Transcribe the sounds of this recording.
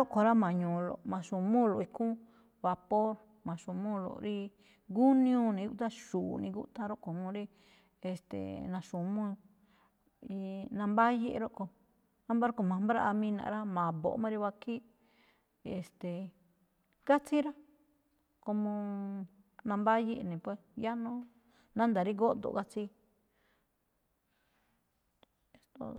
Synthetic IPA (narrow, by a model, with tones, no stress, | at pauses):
o˦ko˨ɾa˦mã˨ɲũ˨lo̰˨mã˨ʃũ˨mũ˦˨lo˨i˧kũ˦ | βa˧po˦ɾ | mã˨ʃũ˨mũ˦lo̰˨ɾi˦ | ɡu˦nĩ˦ũ˦nĩ˧˦u˦t̪a˦ʃuː˨nḭ̃˧ɡṵ˦t̪ã˧ɾo˦ʔko˨mõ˧ɾi˦ | e˨st̪ḛ˨nã˧ʃũ˨mũ˦˧ | i˧nã˧mba˦je˧ʔɾo˦ʔko˧ | ã˦mba˦ɾko˧mã˨m˦ba˦ɾa˦˧ʔa˧mĩ˦˧nã̰˨ʔɾa˦mã˨βo̰˨ʔmã˦˧ɾi˧βa˧ki˦ | e˨st̪e˨ | ɡa˦t͡si˦ɾa˦ | ko˧mõ˧ | nã˧mba˦ji˦ʔnẽ˨pwe˧˦˨ja˦nõ˦ | nã˦nd̪a˨ɾi˦ɡo˦˧d̪o̰˨ɡa˦t͡si˧˦ | e˧st̪o̰˧